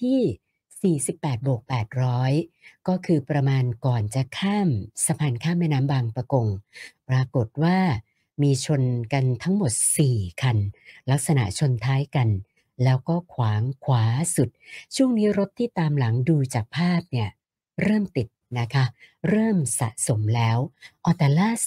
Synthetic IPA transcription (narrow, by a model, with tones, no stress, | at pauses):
t̪ʰiː˥˩ | siː˨˩si˨˩pːɛː˨˩t̪̚bu˨˩ək̚pɛː˨˩t̪̚ɾɔː˦˥jkɔː˥˩kʰɯː˧pɾa˧maː˧nkɔː˨˩nt͡ɕa˨˩kʰaː˥˩msa˧pʰaː˧nkʰaː˥˩mːɛː˥˩jnaː˦˥mbaː˧ŋpɾa˧ko˧ŋpɾa˧ko˨˩t̪̚waː˥˩ | miː˧t͡ɕʰo˧nka˧nt̪ʰa˦˥ŋmo˨˩t̪̚siː˨˩kʰa˧nla˦˥k̚sa˧na̰˨˩ʔt͡ɕʰo˧nt̪ʰaː˦˥jka˧n | lɛː˦˥wkɔː˥˩kʰwaː˩˦ŋkʰwaː˩˦su˨˩t̪̚t͡ɕʰu˥˩əŋniː˦˥ɾo˦˥t̪ʰːiː˥˩t̪aː˧mla˩˦ŋduː˧t͡ɕaː˨˩k̚pʰaː˥˩p̚ni˥˩ɐ | ɾɤː˥˩mt̪i˨˩t̪̚na˦˥kʰa˦˥ɾɤː˥˩msa̰˨˩ʔso˩˦mlɛː˦˥wʔɔː˧t̪aː˨˩laː˥˩s